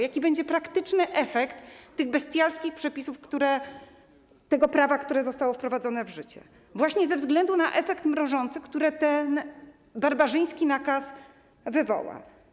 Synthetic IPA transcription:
jakʲibɛɲd͡ʑɛpɾakt̪ɘt͡ʂnɘʔɛfɛkt̪ːɘɣbɛst̪ʲjalskʲixpʂɛpʲisufkt̪uɾɛ | t̪ɛɡɔpɾavakt̪uɾɛzɔst̪awɔfpɾɔvad̪zɔnɛvʐɘt͡ɕɛ̰ | vwaɕɲɛzɛvzɡlɛnd̪unaʔɛfɛkt̪mɾɔʐɔnt̪sɘkt̪uɾɛt̪ɛn | baɾbaʐɘj̃skʲinakas | vɘvɔ̰wa̰

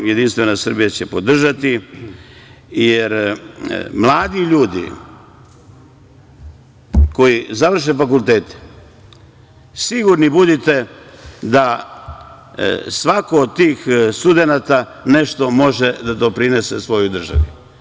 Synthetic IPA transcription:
je̞d̪inst̪ʋe̞nasr̩bijat͡ɕepo̞d̪r̩ʒat̪i | jeɾ | mlˠaːd̪iʎuːd̪ḭ | ko̞jizaʋr̩ʃ̬efakulˠt̪eːt̪e̥ | siɡuɾnibud̪it̪e̞d̪a | sʋako̞ːd̪t̪iːxst̪ud̪enat̪ane̞ʃt̪o̞mo̞ʒed̪ad̪o̞pɾine̞se̞sʋo̞jud̪r̩ʒa̰ʋu

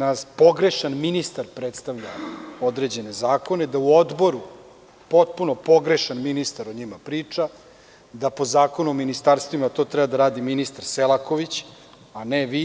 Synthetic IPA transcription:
naspo̞ɡɾe̞ʃanminist̪aɾpɾet̪st̪aʋʎao̞d̪ɾe̞d͡ʑe̞ne̞zaːko̞ne̞d̪auo̞d̪bo̞ɾu | po̞t̪̚puno̞po̞ɡɾe̞ʃanminist̪aɾoɲimapɾiːt͡ʂa | d̪apo̞zaːko̞nuominist̪aɾst̪ʋimat̪o̞ːt̪ɾɛbad̪aɾaːd̪iminist̪aɾselˠako̞ʋit͡ɕ | aneʋi

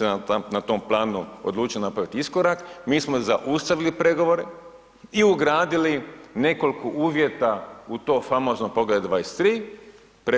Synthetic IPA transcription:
enat̪o̞mplˠaːnuo̰d̪lˠuːt͡ʃijonapɾaʋit̪iisko̞ɾakmiːsmozaʔust̪aʋilipɾe̞ɡo̞ʋo̞ɾe̞ | iuɡɾaːd̪iline̞ko̞lkoʔuːʋje̞t̪aut̪o̞ːfamo̞ːznopo̞ɡled̪d̪ʋaest̪ɾiː | pe

